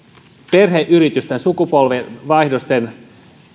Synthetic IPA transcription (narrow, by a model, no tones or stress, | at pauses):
perheʔyrit̪yst̪ensukupolʋeʋɑihdost̪en